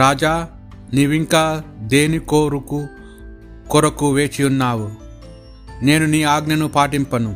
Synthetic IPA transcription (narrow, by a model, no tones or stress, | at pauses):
ɾaːd͡ʒaː | niːʋiŋkaːd̪e̞ːnikoːɾuku | kɔɾɐkuʋe̞ːt͡ʃiunːaːwu | ne̞ːnuniːaːɡnɐnupaːʈimpɐnu